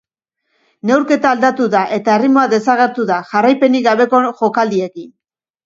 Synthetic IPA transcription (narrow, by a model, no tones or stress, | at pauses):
ne̞wɾke̞t̪aːld̪at̪uðaʔe̞t̪arimoaðe̞saɣe̞ɾt̪uðaʝarajpe̞niɡaβe̞koʝo̞kald̪ie̞kin